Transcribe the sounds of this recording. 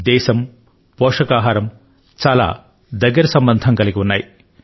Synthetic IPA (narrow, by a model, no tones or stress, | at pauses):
d̪ɛːʃɐm | pɔːʂɐkaːɦaːɾɐm | t͡ʃaːla̰ː | d̪ɐɡːɐɾɐsɐmbɐnd̪ʱɐmkɐliɡʲiunːaːj